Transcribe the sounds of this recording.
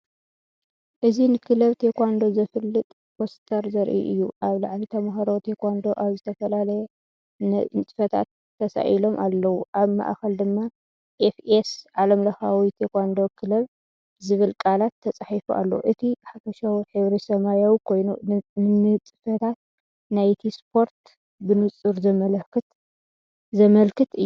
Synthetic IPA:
ʔɨzinɨkʰɨlɐβt̪ʰekʷand̪o̞zɐfɨlːɨt̪ʼ | post̪ʰɐɾzɐɾʔḭʔɨjːuʔaβlaʕlit̪ʰɐmaɦɐɾot̪ʰekʰʷand̪o̞ʔaβzɨt̪ʰɐfɐlalɐjɛ | nnt͡sʼɨ̥fɐt̪ʰa̰t̪ːɐsa̰ʔilo̞mʔalːɐwuʔaβma̰ʔxɐld̪ɨmːa | ʔefesʕalɐmlɐxawit̪ʰekʷand̪o̞kʰɨlɐβ | zɨβɨlkʼalat̪ʰːɐt͡sʼaħifuʔa̰lːɐwuʔɨt̪ʰiħafɐʃawħɨβɾisɐmajawkʰo̞jnṵɨnɨt͡sʼɨ̥fɐt̪ʰat̪̚ | najt̪ʰispʰo̞ɾt̪ | bɨnɨt͡sʼɨɾzɐmɐlɐkʰɨt̪ | zɐmɐlkɨt̪ɨjːu

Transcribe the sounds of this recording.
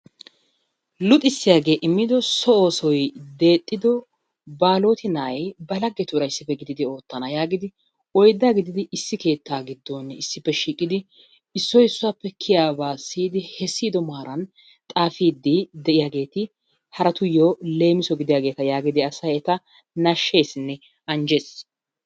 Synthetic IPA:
lʊt̪ʼːɪsːɪjaːɡe̞ːʔɪmːɪd̪ɔsɔo̞ːsɔjd̪e̞ːt̪ʼːɪd̪ɔ | baːlo̞ːt̪ɪnɐʔɐjbɐlɐɡːɛt̪ʊːɾɐjɪsːɪpːɛɡɪd̪ɪd̪ɪo̞ːt̪ːɐnɐjaːɡɪd̪ɪ | ɔjd̪ːaːɡɪd̪ɪd̪ɪʔɪsːɪke̞ːt̪ːaːɡɪd̪ːonɪsːɪpːɛʃiːkʼːɪd̪ɪ | ɪsːɔjɪsːʊwaːpːɛkʰɪjaːbaːsiːd̪ɪhɛsːiːd̪ɔmaːɾɐn | t̪ʼaːfiːd̪ːɪd̪ɛʔɪjaːɡe̞ːt̪ɪ | hɐɾɐt̪ʊjoːle̞ːmɪsɔɡɪd̪ɪjaːɡe̞ːt̪ɐjaːɡɪd̪ɪɐsɐjɛt̪ɐ | nɐʃːe̞ːsɪnːɛ | ɐnd͡ʒeːs

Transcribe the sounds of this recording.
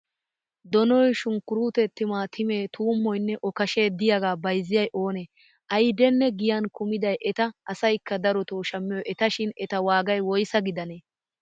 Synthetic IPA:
d̪ɔnɔjʃʊŋkːʊɾuːt̪ɛt̪ːɪmaːt̪ʰɪme̞ːt̪uːmːɔjnːɛʔɔkɐʃe̞ːd̪ɪjaɡaːbɐjzːɪjɐjʔo̞ːne | ʔɐjd̪ɛnːɛɡɪjankʊmɪd̪ɐjʔɛt̪ɐʔɐsɐjkːɐd̪ɐɾɔt̪oːʃɐmːɪjɔjʔɛt̪ɐʃɪnɛt̪ɐwaːɡɐjwɔjsɐɡɪd̪ɐneː

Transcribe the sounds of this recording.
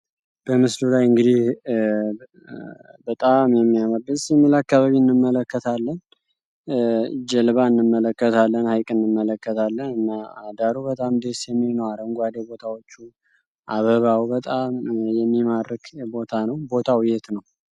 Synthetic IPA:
b̥əmɨslulajɨŋɡɨd̪ih | bət̪ʼamjɛmːijaməbɨsimːilakːaβaβiɨnːɨmːələkːət̪ʰalːən | d͡ʒɛlβaɨnːɨmːələkːət̪ʰalːənhajkʼɨnːɨmːələkːət̪ʰalːənɨnːaad̪aɾuβət̪ʼamd̪esjɛmːinowaɾəŋɡʷad̪əbo̞t̪ʰawo̞t͡ʃːu | ʔaβəβawbət̪ʼamjɛmːimaɾkʰbo̞t̪ʰanəwbo̞t̪ʰawʊjɛt̪nəw

